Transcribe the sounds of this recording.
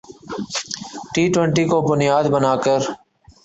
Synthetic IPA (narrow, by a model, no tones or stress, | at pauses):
ʈiːʈwəɳʈiːkoːbʊnɪjaːd̪bənaːkəɾ